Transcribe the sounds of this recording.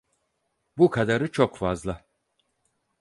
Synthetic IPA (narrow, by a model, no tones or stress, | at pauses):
bukʰad̪aɾɯt͡ʃʰokfazlˠa